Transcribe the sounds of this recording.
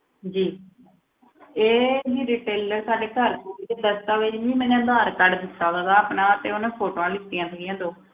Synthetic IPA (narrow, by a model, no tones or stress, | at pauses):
d͡ʒiː | eːd͡ʒiːɾiːʈeːləɾsaːɖeːkəɾkoːɾit̪eːd̪əst̪aːʋɪt͡ʃmĩːmɛ̃ːnẽːd̪aːɾkəɖd̪ɪsaːdaːd̪aːpnãːt̪eːʊnẽːpʰoːʈoːãːlɪt̪ːɪjãːt̪ʰəɪjãːd̪oː